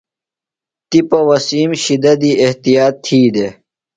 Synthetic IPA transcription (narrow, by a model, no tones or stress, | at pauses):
t̪ipɐwɐsiːmɕid̪ɐd̪ieht̪ijaːt̪ʰːiːd̪e